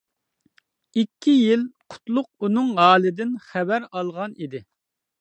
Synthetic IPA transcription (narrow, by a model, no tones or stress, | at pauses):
ikʲʰːijilqʰʊ̥t̪lˠʊq̚unɨŋʁɑːlˠɪd̪ɪnχɛbæɾɑlˠʁɑnid̪ɪ